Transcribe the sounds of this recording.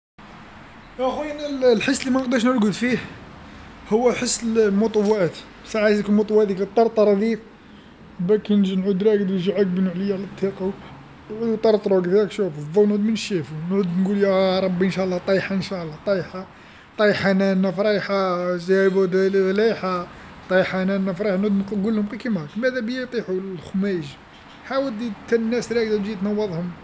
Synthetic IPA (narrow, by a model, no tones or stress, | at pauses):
ʔæxwænællħəsːlimæqd̪æʃnəɾɡəd̪fih | hʊwːæħəsːəllmʊt̪ˤɑwːæt̪ | saʕazkulmʊt̪ˤwːæt̪ikt̪ˤːɑɾˤt̪ˤɑɾˤɑd̪if | bækinʒnʕud̪ɾˤæɡd̪ʒiʕak̚bənʕləjːaʕlæt̪ˤːiqɑ | ʕud̪ut̪ˤɑɾˤt̪ˤɾˤokd̪iɾkʃufðɑwnʕud̪mənəʃːifunʕud̪nɡuljæɾˤɑbːiʔənʃæʔlːɑt̪ˤɑjħaənʃæʔlˤːɑt̪ˤɑjħa | t̪ˤɑjħanænːæfɾˤɑjħazæbud̪læħa | t̪ˤɑjħanænːæfɾˤɑħanʕud̪qɡulːhʊmqikimækmæd̪æbjət̪ˤiħulxʊmæʒ | ħawəld̪it̪ːænnːæsɾˤæɡ̚d̪æʒit̪nɑwːɑðˤhʊm